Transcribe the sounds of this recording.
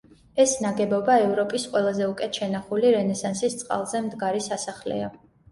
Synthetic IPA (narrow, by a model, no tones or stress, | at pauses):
ɛsnaɡɛbɔbaɛvɾɔpʼisqʼwɛlˠazɛukʼɛt̪ʰʃɛnaχuliɾɛnɛsansist̪sʼqʼa̰lˠzɛmd̪ɡaɾisasaχlɛ̰a